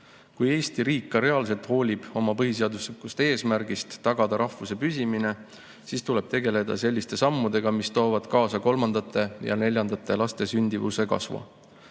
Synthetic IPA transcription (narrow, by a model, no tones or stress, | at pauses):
kuje̞ːst̪iɾiːkːɑɾe̞ɑls̬e̞lt̪ho̞ːlʲib̥o̞mɑpɤɦis̬e̞ɑd̪uslikːˑust̪ee̞ːsmæɾɡ̥ist̪ːɑɡ̥ɑd̪̥ɑɾɑhvuse̞pysʲimine̞ | siːst̪ule̞b̥̚t̪e̞ɡe̞le̞d̪̥ɑ̰se̞lʲːist̪e̞sɑmːud̪e̞ɡ̥ɑmist̪o̞ːvɑd̪̥kɑːsɑko̞lmɑnd̪̥ɑt̪ˑːe̞jɑ̰ne̞lʲjɑnd̪ɑt̪ːˑe̞lɑst̪e̞synʲd̪̥ivṵse̞kɑ̰svɑ̰